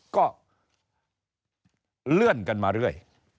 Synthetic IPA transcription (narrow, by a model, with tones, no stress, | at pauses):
kɔː˥˩ | lɯ˥˩ənka˧nmaː˧ɾɯ˥˩əj